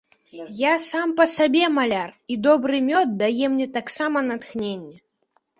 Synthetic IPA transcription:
jasampɐsabʲɛmalʲarid̪ɔbɾɨmʲɔt̪̚d̪ajɛmnʲɛt̪aksamɐnat̪xnʲenʲːɛ

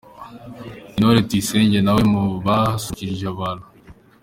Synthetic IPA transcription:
inoɾetiseːɲɟenawemuβasuciɾiʒaβalo

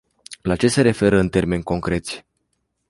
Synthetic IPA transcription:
lat͡ʃe̞se̞ɾe̞fe̞ɾəɨnt̪e̞rme̞nʲko̞ŋkɾe̞t̪sʲ

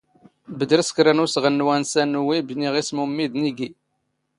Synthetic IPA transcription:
bəd̪ɾəskɾænusʁənːwænsænuwibniʁismumːiðniɡi

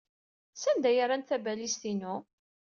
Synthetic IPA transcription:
sænd̪æjəɾˤanθæbælist̪inu

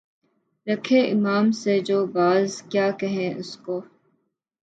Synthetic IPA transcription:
ɾɐkʰeʔɪmaːmsed͡ʒoːbaːzkjaːkɛɦẽʔʊskoː

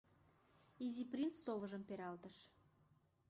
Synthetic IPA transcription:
izʲiprʲinsːovə̆ʒə̆mpeɾɑlt̪əʃ

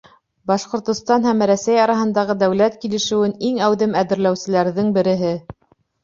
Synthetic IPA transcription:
bɑʃqŏɾt̪ŏst̪ɑnɦæmɾæsæjɑɾɑɦɤ̆nd̪ɑʁɤd̪æwlæt̪kilɘ̆ʃɘ̆wɘniŋæwðɘmæðɘ̆ɾlæwsɘ̆læɾðɘŋbɘ̆ɾɘ̆ɦɘ

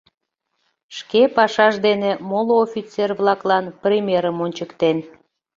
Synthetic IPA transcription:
ʃkepɑʃɑʃd̪enemoloofʲit͡serβlɑklɑnprʲemʲeɾəmonʲt͡ɕəkt̪en

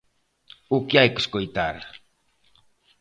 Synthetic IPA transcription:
ukjajkskojt̪aɾ

